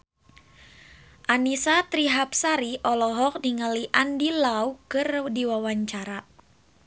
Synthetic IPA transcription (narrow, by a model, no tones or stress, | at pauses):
ʔanisat̪ɾiɦap̚saɾiʔɔlɔɦɔk̚diŋəliʔandilaukɨrdiwawaɲt͡ʃaɾa